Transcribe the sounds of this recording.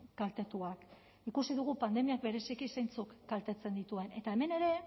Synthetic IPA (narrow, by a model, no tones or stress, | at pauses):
kalt̪e̞t̪uak | ikusiðuɣ̞upand̪e̞miak̚be̞ɾe̞sikise̞jnt͡sukːalt̪e̞t͡se̞nd̪it̪ue̞ne̞t̪ae̞me̞ne̞ɾe̞